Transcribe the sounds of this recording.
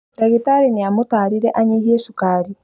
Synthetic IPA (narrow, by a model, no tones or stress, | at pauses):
ɾaɣitaɾiniamutaɾiɾeʔaɲejeʃukaɾi